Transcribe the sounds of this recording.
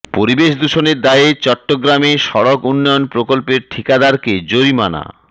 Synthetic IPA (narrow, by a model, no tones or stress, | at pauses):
poɾibeʃd̪uʃoneɾd̪aet͡ɕɔʈːoɡɾameʃɔɾokunːɔjonpɾokolpeɾʈʰikad̪aɾked͡ʑoɾimana̰